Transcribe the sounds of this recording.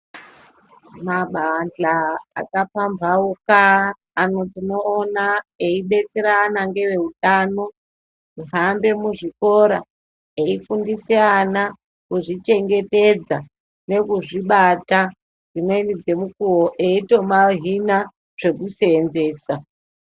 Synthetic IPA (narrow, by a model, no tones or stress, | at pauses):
maɓanɮa̰ːkapambʱaukaː | no̞tino̞ːnaeiɓe̞t͡seɾaːnaŋɡe̞ʋe̞utaːno̞ | iɦambe̞muʐiko̞ɾa | eifundiseana | kuʐit͡ʃe̞ŋɡe̞te̞d͡za | ne̞kuʐiɓata | d͡zinwe̞nid͡ze̞mukuwoʔeito̞maɦina | ʐ̥e̞kuseːnze̞ːsa